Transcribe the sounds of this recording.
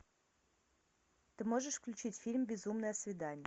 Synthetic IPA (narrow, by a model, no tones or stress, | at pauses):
t̪ɨmoʐəʂfklʲʉt͡ɕitʲfʲilʲmbʲɪzumnəjəsvʲɪd̪anʲɪjə